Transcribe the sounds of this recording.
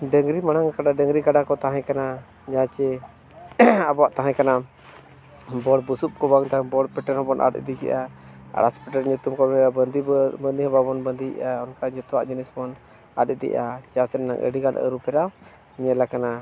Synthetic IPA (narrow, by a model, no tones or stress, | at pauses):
ɖəŋɾimanaŋkaɖaɖəŋɾikaɖakɔt̪aɦãkana | d͡ʒat͡ʃɛ | abɔwaʔt̪aɦãkana | bɔɽbusup̚kɔbaŋt̪abɔɽpɛʈɛɾhɔbɔnʔa̰tḭd̪ikɛ̰ʔaa̰ɽaspɛʈɛɾɲut̪umkɔbɛabəd̪ibənd̪ihɔbabɔnbənd̪iʔaɔnkad͡ʒɔt̪ɔwaʔd͡ʒinɛsɔbɔn | a̰t̪ɛd̪ḭʔat͡ʃasɛnːa̰ŋʔə̰ɽiɡanə̰ɾupɛɾaw | ɲɛlakana